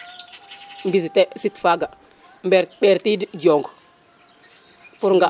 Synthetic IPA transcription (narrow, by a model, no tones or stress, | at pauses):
mbisitɛsitfaɡa | mbɛɓeɾtidd͡ʒoŋɡ | puɾŋɡa